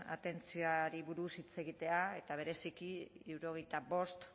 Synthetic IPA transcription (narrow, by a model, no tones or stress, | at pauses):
a̰t̪e̞nt͡sioaɾiβuɾusit͡se̞ɣ̞it̪e̞ae̞t̪aβ̞e̞ɾe̞sikiiuɾo̞ɣ̞ejt̪abo̞st̪